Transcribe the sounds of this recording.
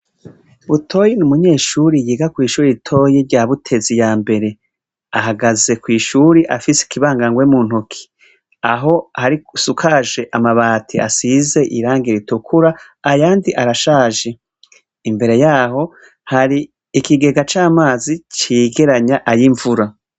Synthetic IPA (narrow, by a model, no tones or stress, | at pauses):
βutʰo̞jenumuɲe̞ːʃuɾijiɡakwiːʃuːɾiitʰo̞jeɾɟaːβutʰe̞zijaːmbe̞ɾe̞ | aɦaɡaze̞kwiːʃuɾiʔafise̥kiβaːŋɡaŋɡwemuːn̥hukʰi̥ | aɦo̞haɾisukʰaʒe̞ʔamaβaːtʰia̰size̞ʔiɾaːŋɡiɾitukʰuɾaː | jaːndiʔaɾaʃaːʒe | imbe̞ɾe̞jaːho̞ | haɾiː | kiɡe̞ɡat͡ʃaːmaːzit͡ʃiɡe̞ɾaɲaʔajiɱvuɾa